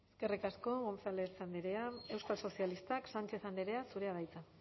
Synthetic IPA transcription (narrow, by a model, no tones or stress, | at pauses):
eske̞rikasko̞ɣonsalesand̪eɾeae̞wskalso̞sialist̪aksant͡ʃe̞θand̪eɾe̞asuɾe̞aβajt͡s̪a